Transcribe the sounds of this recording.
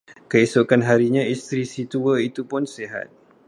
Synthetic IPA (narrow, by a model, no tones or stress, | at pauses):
kəisokanɦaɾiɲãist̪ɾisit̪uəit̪upʊnseɦa̰t̪̚